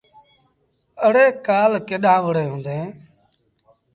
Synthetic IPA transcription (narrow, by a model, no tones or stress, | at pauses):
əɽeːkaːlkeːɗãːʋəɽeːɦũːnd̪ẽː